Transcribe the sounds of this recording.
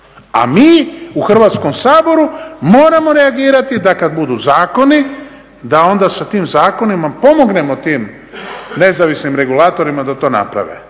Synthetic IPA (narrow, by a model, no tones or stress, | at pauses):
a̰miːuxr̩ʋaːt̪sko̞msaːbo̞ɾumo̞ːɾamo̞ɾe̞aɡiːɾat̪id̪akad̪bud̪uzaːko̞ni | d̪ao̞nd̪asat̪iːmzaːko̞nimapo̞mo̞ɡne̞mo̞t̪iːm | ne̞zaʋisnimɾe̞ɡulaːt̪o̞ɾimad̪at̪o̞ːna̰pɾa̰ʋḛ